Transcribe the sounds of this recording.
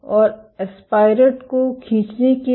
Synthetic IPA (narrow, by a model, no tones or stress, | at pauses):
ɔːɾespaːɪɾəʈkokʰĩːt͡ʃneke